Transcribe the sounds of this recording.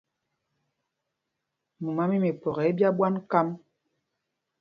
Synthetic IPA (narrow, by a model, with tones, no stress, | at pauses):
mu˨ma˦mi˦me˨pɔ˨ɣɛ˨˦bja˦bwa˦nka˦m